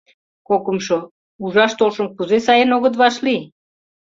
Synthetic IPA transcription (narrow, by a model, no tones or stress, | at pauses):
kokəmʃo | uʒɑʃt̪olʃəmkuzesɑjenoɣət̪̬βɑʃli